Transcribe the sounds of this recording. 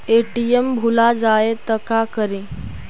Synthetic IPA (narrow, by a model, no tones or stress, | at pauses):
eʈijembʱulad͡ʒaet̪əkakəɾĩ